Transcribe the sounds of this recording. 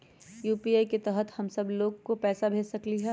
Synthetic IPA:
juːpiaːiket̪ɛɦət̪hɐmsɐbloːɡkopɛːsabʱeːd͡ʒsɐkliɦɛː

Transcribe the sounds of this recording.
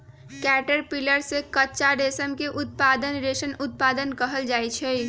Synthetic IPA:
kɛːʈəɾpiləɾsekətːt͡ʃaɖesəmkeʔʊt̪̚paːd̪ənɾeʃənʊt̪̚paːd̪ənkəɦəld͡ʒaːjt͡ʃʰɛi

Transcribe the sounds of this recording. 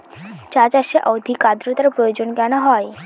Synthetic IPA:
t͡ʃat͡ʃaʃeʔɔwd̪ʱikad̪ɾot̪aɾpɾojod͡ʑonkanaɦɔj

